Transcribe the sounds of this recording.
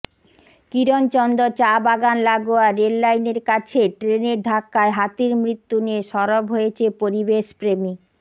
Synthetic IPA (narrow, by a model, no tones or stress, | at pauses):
kiɾont͡ɕɔnd̪ot͡ɕabaɡanlaɡoaɾelːajneɾkat͡ɕʰeʈɾeneɾd̪ʱakːaeɦat̪iɾmɾit̪ːunieʃɔɾobɦojet͡ɕʰepoɾibeʃpɾemi